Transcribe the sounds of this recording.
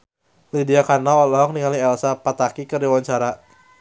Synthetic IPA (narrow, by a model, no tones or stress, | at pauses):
lidiakanaɔlɔɔŋniŋaliɛlsapat̪akikərdiawaɲt͡ʃaɾa